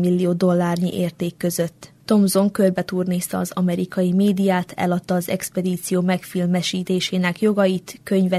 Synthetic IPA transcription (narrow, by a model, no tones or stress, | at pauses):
milːijoːd̪o̞lːaːrɲḭʔeːrt̪eːkːø̞zø̞t̪ːo̞mzo̞ŋkølbɛt̪uːrneːst̪ɒːzɒmɛɾikɒjimeːd̪ijaːt̪ʰɛ̰lɒt̪ːɒːzɛ̰kspɛd̪iːt̪sijoːmɛkfilmɛʃiːt̪eːʃeːnɛkjo̞ɡɒjit̪kø̞ɲvɛ